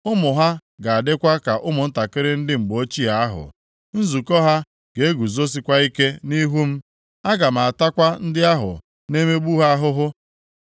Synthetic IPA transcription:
ʊ˦mʊ˨ɦa˦ɡa˨a˨dɪ˦kʷa˦ka˨ʔʊ˦mʊ˨n̩˦ta˨kɪ˦ɾɪ˦n̩˦dɪ˦m̩˨ɡ͡bo˦t͡ʃi˦a˨a˦ɦʊ̰˨ | n̩˦zu˨kɔ˦ɦa˦ | ɡ̥e˨e˦ɡu˨zo˦s̬i˦kʷa˦i˦ke˦ni˦ɦu˦m̩˦ | a˦ɡa˨m̩a˨a˨ta˦kʷa˦n̩˦dɪ˦a˦ɦʊ̰˨ | ne˦me˦ɡ͡bu˦ɦa˦a˦ɦʊ˦ɦʊ˦

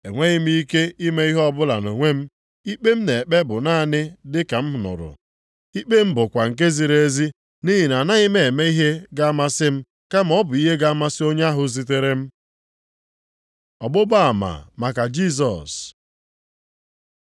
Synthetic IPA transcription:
e˨ŋʷe˦ɣɪ˦m̩˦i˦ke˦i˦me˦i˦ɦɔ˦bʊ˦la̰˨no˨ŋʷe˦m̩˦ | i˦k͡pe˦m̩˦ne˨k͡pe˦bʊ˨na˦˨nɪ˦dɪ˦ka˨m̩˦ʊ˨nʊ̰˨ɾʊ̰˨ | i˦k͡pe˦m̩˦bʊ˨kʷa˨ŋ̩˨k̬e˦zi˨ɾe˦zi˦ | ni˦ɦi˨na˨na˦ɣɪ˦me˦˨e˨me˦i˦ɦe˦ɡa˦a˦ma˦sɪ˦m̩˦ | ka˦m̩˨ɔ˦bʊ˨i˦ɦe˦ɡa˦a˦ma˦sɪ˦o˦ɲa˦a˦ɦʊ˦zi˦t̬e˦ɾe˦m̩˦ | ɔ˨bʊ˦ba˦a˨ma̰˨ma˨ka˨d͡ʒi˦s̬ɔ̰˨s

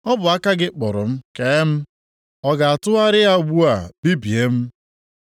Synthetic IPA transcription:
ɔ˦bʊ˨a˦ka˦ɡɪ˦k͡pɔ˨ɾʊ̰˨m̩˦ke˨˦m̩˦ | ɔ˦ɡa˨a˨tʊ˦a˦ɾɪ˦a˦˨ɡ͡bu˦a˨bi˦bi˨e˦m̩˦

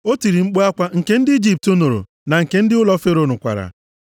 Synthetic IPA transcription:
o˦ti˨ɾi˨ŋ͡m̩˦k͡po˦a˦kʷa˦ŋ̩˨ke˦n̩˦dɪ˦i˦d͡ʒi˦˨p̚to˦no˨ɾo̰˨ | na˨ŋ̩˨ke˦n̩˦dɪ˦ʊ˦lɔ˦fe˦ɾo˦nʊ˨kʷa̰˨ɾa̰˨

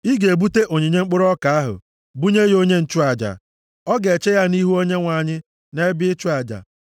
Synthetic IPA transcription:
i˦ɡe˨bu˦te˦ʔo˨ɲi˨ɲe˦ŋ͡m̩˦k͡pʊ˦ɾɔ˦ka˨a˦ɦʊ̰˨ | bu˦ɲe˦jo˦ɲe˦n̩˨t͡ʃu˦a˨d͡ʒa̰˨ | ɔ˦ɡe˨t͡ʃe˦ja˦ni˦ɦu˦o˦ɲe˦ŋʷa˨ɲɪ˦ | ne˦bɪ˦ɪ˦t͡ʃu˦a˨d͡ʒa̰˨

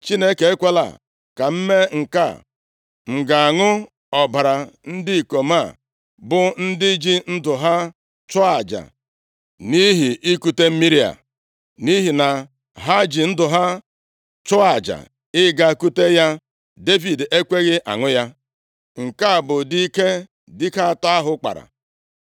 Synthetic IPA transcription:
t͡ʃi˦ne˦ke˨e˦kʷe˦la̰˨ | ka˨m̩˦me˦ŋ̩˨ka̰˦˨ | ŋ̩˨ɡa˨a˨ŋʊ˦ | ɔ˨ba˨ɾa˨n̩˦dɪ˦i˨ko˨ma˦˨ | bʊ˨n̩˦dɪ˦d͡ʒi˦n̩˦dʊ˨ɦa˦ | t͡ʃʊ˦a˨d͡ʒa̰˨ | ni˦ɦi˨ʔi˦ku˦te˦m̩˦mi˦ɾi˦a̰˨ | ni˦ɦi˨na˨ | ɦa˦d͡ʒi˨n̩˦dʊ˨ɦa˦ | t͡ʃʊ˦a˨d͡ʒa̰˨ | ɪ˦ɡa˨ku˦te˦ja˦ | de˦vi˨de˦kʷe˦ɣɪ˦ʔa̰˨ŋʊ˦ja˦ | ŋ̩˨ka˦˨bʊ˨di˦i˦ke˦ | dɪ˦ka˦ta˦a˦ɦʊ˦k͡pa̰˨ɾa̰˨

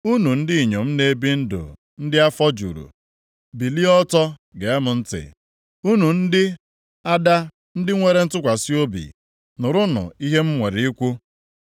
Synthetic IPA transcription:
u˦nu˨n̩˦dɪ˦i˨ɲo˨m̩˦ne˨˦bi˦n̩˦dʊ̰˨ | n̩˦dɪ˦a˦fɔ˦d͡ʒṵ˨ɾṵ˨ | bi˨li˦ɔ˦tɔ˦ɡe˨e˦mʊ˨n̩˦tɪ̰˨ | u˦nu˨n̩˦dɪ˦ | a˦da˦ | n̩˦dɪ˦ŋʷe˨ɾe˨n̩˦tʊ˦kʷa˨si˦o˦bḭ˨ | nʊ˨ɾʊ˦nʊ̰˨i˦ɦe˦m̩˦ŋʷe˨ɾi˦kʷu˦

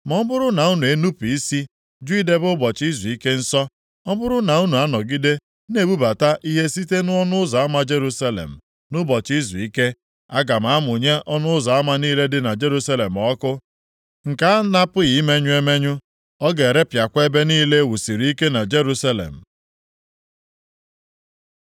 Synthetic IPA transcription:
mɔ˦m˦bʊ˦ɾʊ˦na˨u˦nu˨e˦nu˦pi˦si˦ | d͡ʒʊ˦i˦de˦bʊ˦bɔ˨t͡ʃi˦zu˨i˦ke˦n̩˦sɔ˦ | ɔ˦bʊ˦ɾʊ˦na˨u˦nu˨a˦nɔ˨ɡi˦de˦ | n˦e˨bu˦ba˨ta˦ʔi˦ɦe˦si˦te˦nʊ˦ɔ˦nʊ˦ʊ˦zɔ˨a˦ma˦d͡ʒe˦ɾu˦sa˦lḛ˨m̩˨ | nʊ˦bɔ˨t͡ʃi˦zi˨i˦ke˦ | a˦ɡa˨m̩˨a˦mʊ˨ɲe˦ɔ˦nʊ˦ʊ˦zɔ˨a˦ma˦niː˦le˦dɪ˦na˨d͡ʒe˦ɾu˦sa˦le˨m̩˨ɔ˦kʊ˦ | ŋ̩˨ka˨˦a˦na˦pʊ˦ɣi˨i˦me˦ɲʊ˦e˦me˦ɲʊ˦ | ɔ˦ɡe˨ɾe˦pja˨kʷe˦be˦niː˦le˦wu˨si˨ɾi˨˦i˦ke˦na˨d͡ʒe˦ɾu˦sa˦lḛ˨m̩˨

